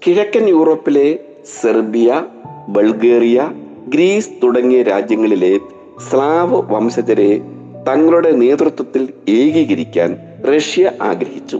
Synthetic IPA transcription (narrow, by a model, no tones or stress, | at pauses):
kiɻɐkːɐnjuːro̞ːpːile̞ | serbijɐbɐlɡeːrijɐ | ɡɾiːsɨ̥t̪uɽɐŋːijɐɾaːd͡ʑjɐŋːɐɭile̞ | slaːʋɨʋɐmsɐd͡ʑɐɾe̞ | t̪ɐŋːɐɭuɽe̞neːd̪rut̪wɐt̪ːileːɡiːɣɐɾikʲːa̰ːn | re̞ʂjɐʔa̰ːɡɾɐhit͡ɕːṵ